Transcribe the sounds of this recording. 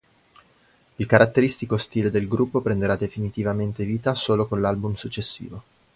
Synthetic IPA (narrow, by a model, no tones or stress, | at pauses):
ilkaɾʔat̪ːeɾist̪ikost̪iːled̪elɡɾupːopɾend̪eɾad̪efinit̪ivament̪eviːt̪asoːlokonlalbumsut͡ʃːesːḭːvo